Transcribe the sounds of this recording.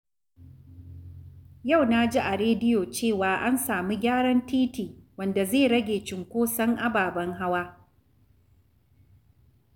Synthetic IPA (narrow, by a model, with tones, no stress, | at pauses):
ja˦˨wna˦d͡ʒi˦ʔa˨ɽeː˦dɪ˦joː˨t͡ʃeː˦˨waː˨ʔa˦nsaː˨mi˦ɡʲaː˦ɽɐ˦ntiː˦tiː˨wɐ˦˨nda˨zeː˦˨ɽɐ˦ɡʲeː˨t͡ʃɪ˨ŋkʷoː˦sɐ˦ŋʔa˦baː˨bɐ˦ŋɦa˦waː˦